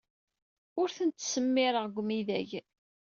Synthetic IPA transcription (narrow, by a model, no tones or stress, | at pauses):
ʊɾθənt̪səmːɪɾəʁɡʷmiðæ̰ʝ